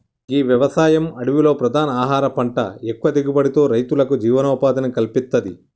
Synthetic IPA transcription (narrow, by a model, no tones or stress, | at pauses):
iːʋjɐʋɐsaːjɐmɐɽuʋilo̞ːpɾɐd̪ʱaːnɐaːɦaːɾɐpɐɳʈɐ̰ekːuʋɐd̪iɡibɐɽit̪o̞ːɾɐjt̪ulɐkud͡ʒiːʋɐnɔːpaːd̪ɐnɐkɐlpist̪ːɐd̪i